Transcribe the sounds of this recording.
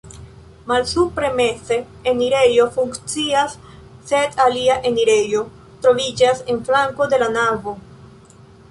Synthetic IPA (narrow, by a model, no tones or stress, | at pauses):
malsupɾe̞me̞t͡se̞ː | niɾe̞jo̞fuŋkt͡siasː | e̞daliaʔe̞niɾe̞jo̞ | tɾo̞vid͡ʒase̞nflaŋko̞de̞lanavo̞